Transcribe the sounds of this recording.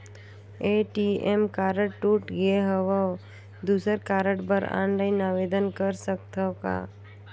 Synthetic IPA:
eːʈiemkaːɾəʈʈuːʈɡeɦəʋə | d̪uːsəɾkaːɾəʈbəɾã̰ːɳɖainaːʋeːd̪ənkəɾsəkt̪ʰəka̰ː

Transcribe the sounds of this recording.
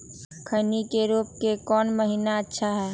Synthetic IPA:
kʰənikeɾuːp̚kekɔːnməɦiːnaətːʃʰaɦɛː

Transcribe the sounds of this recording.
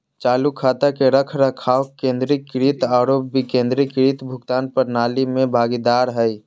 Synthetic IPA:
t͡ʃaːlukʰːaːt̪akeɾəkʰɾəkʰaːwkẽːnd̪ɾikːɾit̪aːɾobikẽːnd̪ɾikɾit̪bʱʊkt̪aːnpəɾnaːlimẽbʱaːɡid̪aɾɦəj

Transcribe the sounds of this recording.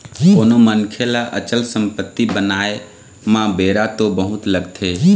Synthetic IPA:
koːnomənkʰelaʔə̰t͡ʃəlsə̃mpət̪ːibənaːe | mãbeːɾat̪obəɦʊt̪ləɡt̪ʰeː

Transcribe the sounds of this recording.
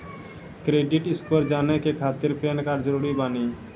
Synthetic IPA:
kɾeːɖɪʈɪskəɾd͡ʒaːnekekʰaːt̪ɪɾpeːnkaɾd͡ʒəɾuːɾibaːniː

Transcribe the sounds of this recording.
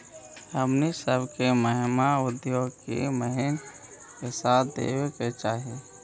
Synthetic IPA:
əmnisəbʱkeməɦɪmaʊd̪joːɡkḛməɦɪn | kesaːt̪d̪ḛːweket͡ʃaːɦi

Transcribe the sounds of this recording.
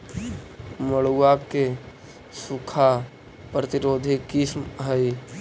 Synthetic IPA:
məɽuake | sukʰa | pɾət̪iɾoːd̪ʱikismɦəi

